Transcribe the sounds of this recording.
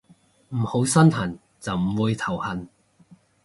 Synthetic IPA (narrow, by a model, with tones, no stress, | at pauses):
m̩˨˩ho˨˥wsɐ˥nhɐ˨˩n | t͡sɐ˨wm̩˨˩wuː˨˧jt̪ʰɐ˨˩whɐ˨n